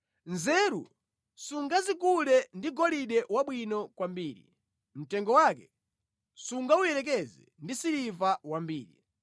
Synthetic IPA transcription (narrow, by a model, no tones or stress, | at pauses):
nzɛːɾṵ | suŋɡazik̬ulɛndiɡɔliɗɛwaɓwinɔkwambiːɾḭ | m̩tɛŋɡɔwaːkɛ | suŋɡaujɛɾɛk̬ɛzɛ̰ndisiɾivawambiːɾḭ